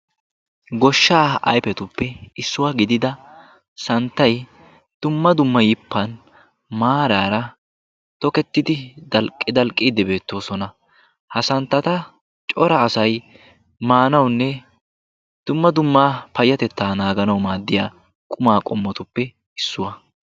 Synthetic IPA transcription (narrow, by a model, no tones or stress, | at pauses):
ɡɔʃːaːɐ̰jpɛt̪ʊpːɛɪsːʊwaɡɪd̪ɪd̪ɐ | sɐnt̪ːɐj | d̪̥ʊmːɐd̪ʊmːɐjɪpːɐn | maːɾaːɾɐ | t̪ɔkɛt̪ːɪd̪ɪd̪ɐlkʼːɪd̪ɐlkʼːiːd̪ɪbe̞ːt̪ːo̞ːsɔnɐ | hɐsɐnt̪ːɐt̪ɐ | t͡ʃʼɔɾɐːsɐj | maːnɐwnːɛ | d̪̥ʊmːɐd̪ʊmːaːpɐjːɐt̪ɛt̪ːaːnaːɡɐnɐwmaːd̪ːɪjaː | kʼʊmaːkʼɔmːɔt̪ʊpːɛ | ɪsːʊwɐ